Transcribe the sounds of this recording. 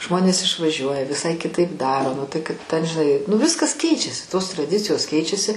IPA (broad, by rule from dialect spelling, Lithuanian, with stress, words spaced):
ˈʒmoːnʲeːs ɪʃʋɐˈʒʲuɔjɛ ʋʲɪˈsɐɪ kʲɪˈtɐɪp ˈdɑːroː ˈnʊ tɐɪ kɐt ˈtʲɛn ʒʲɪˈnɐɪ nʊˈʋʲɪskɐs ˈkʲɛɪt͡ʃʲɛsʲɪ toːs trɐˈdʲɪt͡sʲɪjoːs ˈkʲɛɪt͡ʃʲɛsʲɪ